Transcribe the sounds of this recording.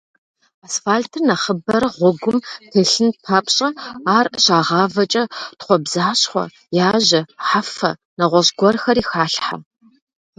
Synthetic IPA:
asfaːɮtʰɨrnɐχəbɐɾɐʁʷɔɡʷʊmtʰeɬɨnpʰaːpʰʼɕʼɐaːrɕaːʁɑːvɐt͡ʃʼɐtχʷɔbzaːɕχʷɔ̰ | jaːʑɐħafɐ | nɐʁʷɔɕɡʷɔrxɐɾiːxaːɬħa̰

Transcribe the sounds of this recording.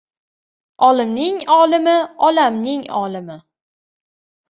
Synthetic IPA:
ɒlɪmnɪŋɒlɪmɪɒlamnɪŋɒ̰lɪmɪ

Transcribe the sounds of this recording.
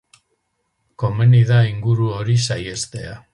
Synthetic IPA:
ko̞meniðaiŋɡuɾuo̞ɾisaje̞st̪e̞a

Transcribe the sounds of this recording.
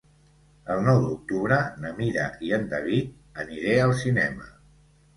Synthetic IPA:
əlˠnɔwd̪uk̚t̪uβɾənəmiɾə̰ʔiənd̪əβit̪̚ | əniɾeəlˠsinɛmə

